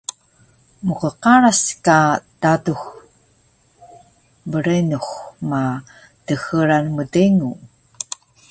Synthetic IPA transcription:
muqəqaɾaskad̥adux | bəɾenuxma | təxəɾanmədiŋu

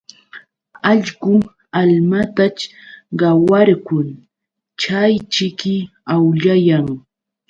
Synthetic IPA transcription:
ɑʎɢʊ | almat̪at͡ʃɢɑwaɾkʊn | t͡ʃajt͡ʃɪkɪ | awʎajaŋ

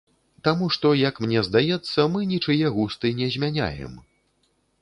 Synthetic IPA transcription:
t̪amuʂt̪ɔjɐkmnʲɛzd̪ajɛt̪sːɐmɨnʲit͡ʂɨjɛɣust̪ɨnʲɛzʲmʲanʲa̰jɛ̰m

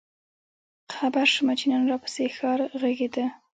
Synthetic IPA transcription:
qʰabaɾʃmat͡ʃinɑnɾɑpə̥sexɑɾɣaɡed̪ə

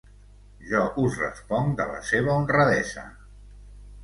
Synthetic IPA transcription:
ʒɔʔuzrə̰spɔŋd̪ələ̰seβəunrəðɛzə̰

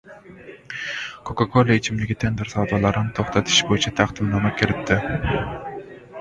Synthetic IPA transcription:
kʰokakʰolˠoet͡ʃʰimlɪɡʲit̪ʰend̪ɪɾsɑd̪ɑlˠɑɾɨnɪt̪ʰoχt̪ʰɑt̪ʰɪ̥ʃbojit͡ʃʰɑt̪ʰɑχd̪ɨmnɑmɑkʲʰɪɾɪt̪ʰːɪ

